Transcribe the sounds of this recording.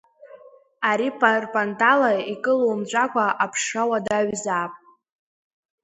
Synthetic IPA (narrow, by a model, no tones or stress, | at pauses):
aɾipʰʼarpʼantʼalaikʼɨlowmt͡ɕʷʼakʷʰʼaʔapʰʂawadaɥzaːpʼ